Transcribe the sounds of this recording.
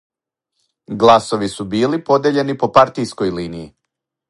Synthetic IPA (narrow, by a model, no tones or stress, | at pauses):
ɡlˠaso̞ʋisubiːlipo̞d̪eʎe̞nipo̞paɾt̪isko̞jliːniji